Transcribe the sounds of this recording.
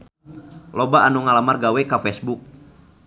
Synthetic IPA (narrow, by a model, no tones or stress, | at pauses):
lɔbaanuŋalamarɡawɛkafɛsbuk̚